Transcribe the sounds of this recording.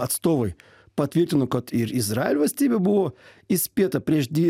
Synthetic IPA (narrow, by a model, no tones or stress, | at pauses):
ɐt̪st̪ovəj | pɐt̪vʲerʲdʲɪnokot̪irɪzɾaɪlʲvɐsʲtʲɪbʲebɨlˠoisʲpʲet̪əpɾʲeʐd̪ʲɪ